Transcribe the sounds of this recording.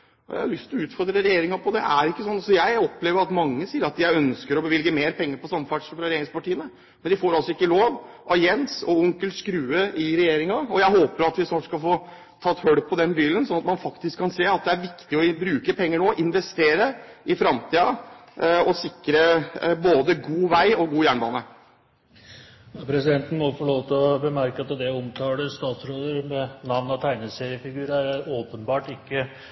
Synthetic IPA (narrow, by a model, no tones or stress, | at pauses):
jæ̰ɪhɑlʏst̪ɪlɔʉːt̪fɔɾd̪ɾəɾɛjeːɾɪŋɑpʰɔd̪ɛ̰ʔæɾɪkːəsɔnːsɔjæɪɔpleːʋəɾɑt̪mɑŋːəsiːəɾɑt̪̚ːɪæɪœnskəɾɔbəʋɪlɡəmeːɾpʰɛŋːəɾpɔsɑmːəfæʈʂl̩fɾɑɾɛjeːɾɪŋspɑʈiːənə | mɛnd̪ɪfoːɾɑlsɔɪkːəloːʋ | ʔɑjɛnsɔ̰ʊŋkəlskɾʉːəʔɪɾɛjeːɾɪŋɑɔjæɪɦoːpəɾɑt̪ʋɪsnɔʈʂskɑlfoː | t̪ʰɑt̪ːhœɽpʰɔd̪ɛnbiːlənsɔnɑt̪mɑnfɑkt̪ɪskʰːɑnseːɑt̪̚d̪ɛæɾʋɪkt̪ɪɔbɾʉːkəpʰɛŋːəɳoːʔɪnʋɛst̪eːɾəʔɪfɾɑmt̪ʰiːɑ | ɔsɪkɾəboːd̪əɡuːʋæɪɔɡuːjæːɳbɑ̰ːnə | ɑpʰɾɛsɪd̪ɛnt̪n̩mɔfɔɭoːʋt̪ʰɪɔbəmæɾkəɑt̪d̪ɛɔmt̪ʰɑːɽəst̪ɑːt̪sɾoːd̪əɾmɛnɑʋnɑt̪ʰæɪnəseːɾɪəfɪɡʉːɾəæɾoːpənbɑːʈɪkːə